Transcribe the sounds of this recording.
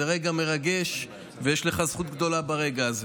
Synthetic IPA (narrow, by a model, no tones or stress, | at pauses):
eʁeɡame̞ʁaɡe̞ʃ | vejeʃle̞χazχut̪̚ɡd̪o̞labaʁe̞ɡaz